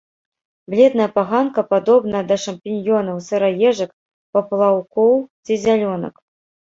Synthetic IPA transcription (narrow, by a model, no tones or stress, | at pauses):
blʲɛd̪nɐjɐpaɣankɐpad̪ɔbnɐɐd̪ɐʂɐmpʲinʲjɔnɐwsɐɾajɛʐɐk | pɐplˠawkɔwt͡sʲizʲalʲɔnɐ̰k